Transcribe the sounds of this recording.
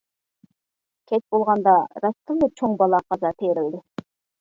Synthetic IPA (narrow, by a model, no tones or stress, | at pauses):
kʲʰet̪̚bolˠʁɑnd̪ɑɾɑst̪ɯlˠɯt͡ʃʰoɴbɑlˠɑqʰɑzɑt̪ʰeːɾelɪ